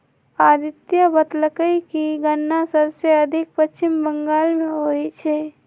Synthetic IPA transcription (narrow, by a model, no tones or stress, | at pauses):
aːd̪ɪt̪jabət̪ləkəikiɡənːasəbseɐd̪ʱɪk̚pət͡ʃːt͡ʃɪmbə̃ŋɡaːlmẽɦoːit͡ʃʰɛː